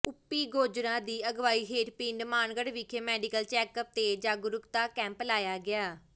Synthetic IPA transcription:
ʊpːiːɡoːd͡ʒɾãːd̪iːəɡʋaːiːɦeːʈpĩːɳɖmaːnɡəɽʋikʰeːmɛːɖɪkəlt͡ʃɛːkəp̚t̪eːd͡ʒaːɡʊɾʊkt̪aːkɛ̃ːmplaːjaːɡɪaː

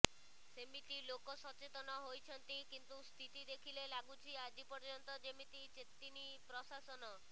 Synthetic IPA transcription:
semit̪ilokɔsɔt͡ʃet̪ɔnɔɦojt͡ʃʰɔnt̪ikint̪ust̪ʰit̪id̪ekʰilelaɡut͡ʃʰiad͡ʒipɔɾd͡ʒɔnt̪ɔd͡ʒemit̪it͡ʃet̪ːini | pɾɔsasɔnɔ

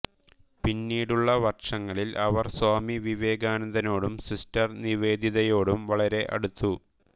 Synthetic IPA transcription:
pinːiːɽuɭːɐʋɐrʂɐŋːɐɭilʔɐʋɐrswaːmiʋiʋe̞ːɡaːnɐnd̪ʱɐno̞ːɽumsistɐrniʋe̞ːd̪ʱiðɐjo̞ːɽumʋɐɭɐɾe̞ʔɐ̰ɽut̪ːu

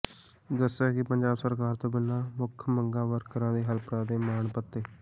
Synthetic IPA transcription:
d̪əsaːkɪpəɲd͡ʒaːbsəɾkaːɾt̪õːbɪlãːmʊkʰməŋɡãːʋəɾkːəɾãːd̪eːɦəlpɾãːd̪eːmaːɳpət̪ːeː

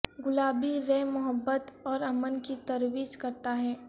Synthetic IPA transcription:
ɡʊlaːbiɾɛːmʊɦəbːət̪ɔːɾɐmənkit̪ɐɾwiːd͡ʒkɐɾt̪aɦɛː

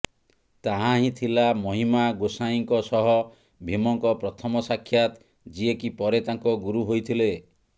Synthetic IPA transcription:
t̪aɦãɦĩt̪ʰilamɔɦimaɡosajiŋkɔsɔɦɔ | bʱimɔŋkɔpɾɔt̪ʰɔmɔsakʰːjat̪ | d͡ʒiekipɔɾet̪aŋkɔɡuɾuɦojt̪ʰile

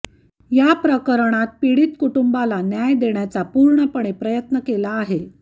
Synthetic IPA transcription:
japɾəkəɾɳ̃at̪̚piɽiːt̪kuʈumbalanjajd̪eɳjat͡sapuɾɳəpəɳ̃epɾəjət̪nəkelaːɦe

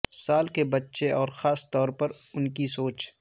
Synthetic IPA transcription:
saːlkebɐtːʃeɔːɾxaːst̪ɔːɾpɐɾʊnkisoːt͡ʃ

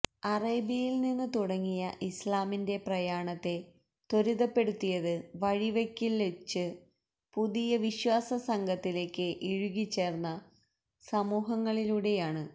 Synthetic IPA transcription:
ɐreːbijilninːɨt̪uɽɐŋːijɐʔislaːminde̞prɐjaːɳɐt̪ːe̞ | t̪o̞ɾuðɐpːe̞ɽut̪ːijɐðɨʋɐɻiʋekʲːilːet͡ɕːɨ | puðijɐʋiɕwaːsɐsɐŋɡʱɐt̪ːile̞ːkːɨʔiɻuɣit͡ɕːe̞ːrnːɐ | sɐmuːɦɐŋːɐɭiluːɽe̞jaːɳɨ

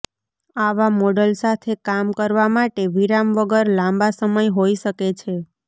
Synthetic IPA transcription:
aʋamɔɖəlsat̪ʰekamkəɾʋamaʈeʋiɾamʋəɡəɾlãmbasəməjɦoiʃəket͡ʃʰe

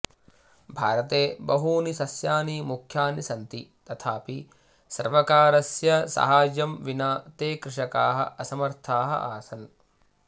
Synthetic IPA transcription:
bʱa̰ːɾɐt̪eːbɐɦuːnisɐsjaːnimukʰjaːnisɐnt̪it̪ɐt̪ʰaːpi | sɐ̰ɾʋɐkaːɾɐsjɐsɐ̰ɦaːd͡ʒɐmʋinaːt̪eːkɾɪʂɐkaːɦɐ̰ʔɐsɐmɐɾt̪ʰaːɦɐ̰ʔaːsɐn

